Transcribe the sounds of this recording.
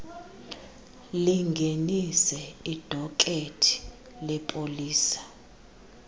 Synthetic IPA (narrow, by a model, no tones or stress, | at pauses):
liŋɡʱenisɛid̥ʱɔkʼetʼʰi̥ | lɛpʼoliːsḁ